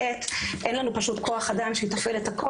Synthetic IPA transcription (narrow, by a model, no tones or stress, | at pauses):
etʔenlanupaʃutkʰo̞aχadamʃejitafeletakʰo